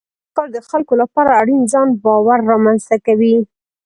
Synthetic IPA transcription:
kɑɾd̪əxalkolapɑɾaːɽinzɑnbɑwaɾːɑmanzt̪akawi

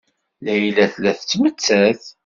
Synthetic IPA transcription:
læjlæθlæθt͡sːmət͡sːæθ

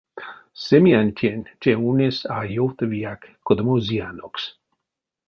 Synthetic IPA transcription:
semianʲt̪ʰʲjent͡ʃeunesajowt̪əvijakkːod̪əmozianoks

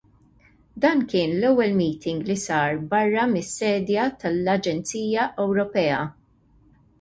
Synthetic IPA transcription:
d̪ɐːnkɪːnlɛwːɛlmiːt̪ɪŋɡlisɐːɾbɐrːɐmɪsːɛːd̪jɐt̪ɐlɐd͡ʒɛnt͡siːjɐʔɛwɾɔpɛːɐ

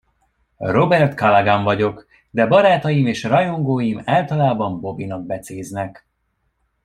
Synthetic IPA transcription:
ro̞bɛrt̪kɒlɛɡaɱvɒɟo̞k | d̪ɛbɒɾaːt̪ɒjimeːʃrɒjo̞ŋɡoːjimaːlt̪ɒlaːbɒmbo̞binɒɡ̚bɛt̪seːznɛk

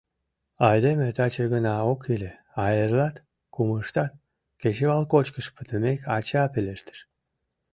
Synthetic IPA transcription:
ɑjd̪emet̪ɑt͡ɕeɣənɑokile | ɑjerlɑt̪ | kuməʃt̪ɑt̪̚ | ket͡ɕeβɑlkot͡ɕkəʃpət̪əmekɑt͡ɕɑpeleʃt̪ə̥ʃ

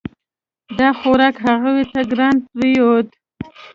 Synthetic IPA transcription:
d̪ɑxoɾɑkɦaɣawet̪aɡɾɑnpɾijot̪

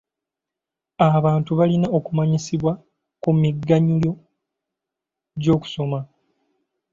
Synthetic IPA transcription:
aβaːntuβalinao̞kumaɲisiβwa | kumiɡːaɲuljo̞ | ɟo̞ːku̥so̞ma

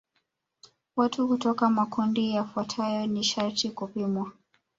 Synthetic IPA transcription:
watukutɔkamakundijafuatʰajɔniʃaɾtikupimwa

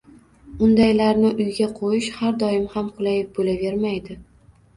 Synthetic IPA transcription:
ʊnd̪ajlaɾnɪʔʊjɡʲaqʰojɪʃhaɾd̪ɒɪmhamqʰʊlˠajɪp̚bolave̞ɾmajd̪ɪ

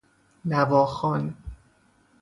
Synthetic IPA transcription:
nævɒːxɒn

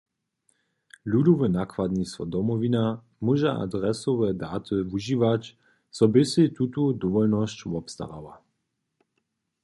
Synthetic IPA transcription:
lud̪ɔvɛnakvad̪nist̪vɔ̰d̪ɔmɔvina | muʒɛʔa̰d̪ɾɛsɔvɛd̪aːt̪ɨvuʒiːvac | sɔbɪsɪt̪ut̪ud̪ɔvɔlnɔscvɔpst̪a̰ɾa̰va̰

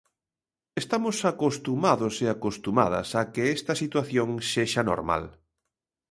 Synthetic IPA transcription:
est̪amosakost̪umaðoseakost̪uma̰ðɐ̰sakeɛst̪ɐsit̪waθjõŋseʃano̰ɾma̰l

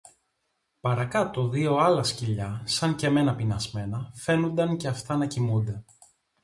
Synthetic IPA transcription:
pɐɾɐkɐt̪o̞ðio̞ɐlɐsciʎɐsɐŋce̞me̞nɐpinɐzme̞nɐfe̞nund̪ɐŋce̞ɐft̪ɐnɐcimund̪e̞

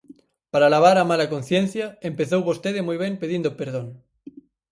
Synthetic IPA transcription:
paɾalaβ̞aɾamalakon̟θjẽn̟θjaempeθowβost̪eðemujβ̞empeðind̪opeɾð̞õŋ

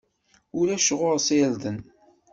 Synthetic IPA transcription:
ʊɾæʃʁʊɾsild̪ən

